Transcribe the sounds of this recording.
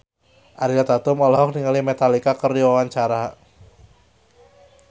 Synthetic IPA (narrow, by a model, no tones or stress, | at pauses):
ʔaɾilat̪at̪ʊmɔlɔɦɔk̚niŋalimet̪alikakəriwawaɲt͡ʃaɾa